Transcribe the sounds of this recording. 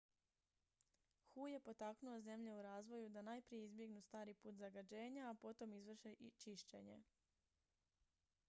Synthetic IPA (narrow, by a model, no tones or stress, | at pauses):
xuːje̞po̞t̪aknuoze̞mʎe̞uɾaːzʋo̞jud̪anajpɾije̞izbje̞ɡnust̪aːɾipuːt̪zaɡad͡ʑe̞ːɲaːpo̞t̪o̞mizʋr̩ʃeʔt͡ʃiʃt͡ɕḛɲe̞̰